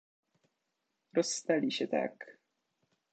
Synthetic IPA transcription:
ɾɔsːt̪alʲiɕɛt̪a̰k

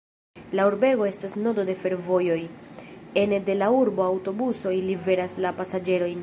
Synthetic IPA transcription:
lauɾbe̞ɡo̞e̞stasno̞do̞de̞fe̞ɾvo̞jo̞j | e̞nde̞lauɾbo̞awto̞buso̞jilive̞ɾaslapasad͡ʒe̞ɾo̞jn

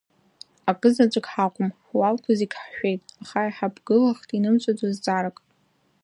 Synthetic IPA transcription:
akʼɨzat͡ʃʷʼkʲʼħakʷʼʊmħwalkʷʰaziɡʲʼħʃʷᶣejtʼaχaiħabɡɨlaχtʼinɨmt͡ʃʷʼad͡zazt͡sʷʼaɾakʼ

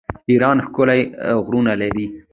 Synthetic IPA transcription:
iɾɑnxkʊlajɣɾunalaɾi

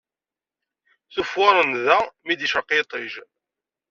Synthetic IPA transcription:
θufʊɾˤənðæmid̪iʃəqːit̪ˤiʒ

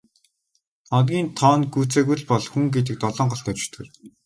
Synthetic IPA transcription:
ɔnɡʲiːnt̪ʰɔːnɡuːt͡seːɣuɮpɔɮxuŋɡet̪̬ɘ̆k̚t̪ɔɮɞ̆ːɴɢɔɬt̪œt͡ɕɪ̥̆t̪ʰɘ̰̆r

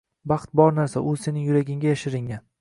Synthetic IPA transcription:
bɑχt̪̚bɒɾnaɾsaʔʊse̞nɪŋjʊɾaɡʲɪŋɡʲajaʃɪɾɪŋʲan

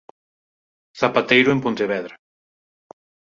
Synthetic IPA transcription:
θapat̪ejɾoempont̪eβɛðɾa

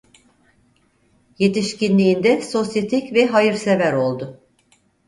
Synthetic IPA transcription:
je̞t̪iʃcinlʲiːnd̪ɛso̞sjet̪ʰicvɛɦajɯɾse̞væɾo̞lˠd̪ʊ

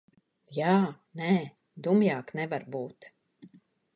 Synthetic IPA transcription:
jaː | nɛː | d̪umjaːknɛvaɾbuːt̪

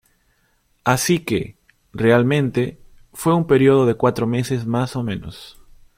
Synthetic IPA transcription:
asike | realmẽ̞nt̪e̞ | fweumpe̞ɾjoð̞oðe̞kwat̪ɾome̞sezmaso̞mẽno̰s

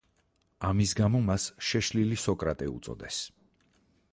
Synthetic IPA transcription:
amisɡamɔmasʃɛʃlilisɔkʼɾat̪ʼɛṵt̪sʼɔ̰d̪ɛs

